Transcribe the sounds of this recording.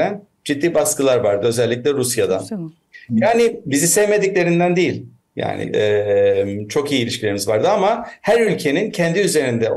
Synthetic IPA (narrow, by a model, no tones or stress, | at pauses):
æn | d͡ʒid̪ːiːbaskɯlˠaɾvaɾd̪ɯø̞zɛlʲːic̬lʲɛɾusjad̪an | jaːnɪbizisɛvme̞d̪iclʲe̞ɾind̪ænd̪ejilʲ | ja̰ːnɪ̰ɛmt͡ʃʰo̞kijiːlʲiʃcʰilʲe̞ɾimizvaɾd̪ɯamahæɾylʲcʰe̞nincʰɛnd̪iyze̞ɾind̪ɛ